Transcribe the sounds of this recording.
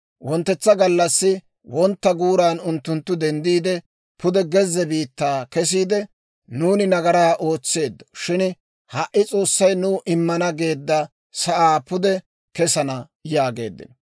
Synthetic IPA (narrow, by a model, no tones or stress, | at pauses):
wɔnt̪ːɛt͡sːɐɡɐlːɐsːɪ | wɔnt̪ːɐɡuːɾaːnʊnt̪ːʊnt̪ːʊd̪ɛnd̪iːd̪ɛ | pʊd̪ɛɡɛzːɛbiːt̪ːaːkɛs̬iːd̪ɛ | nuːnɪnɐɡɐɾaːʔo̞ːt͡sːe̞ːd̪ːɐ̥ʃɪn | hɐʔːɪt͡sʼo̞ːsːɐjnʊːʔɪmːɐnɐɡe̞ːd̪ːɐ | sɐʔaːpʊd̪ɛ | kɛsɐnɐ | jaːɡe̞̰ːd̪ːɪ̰nɔ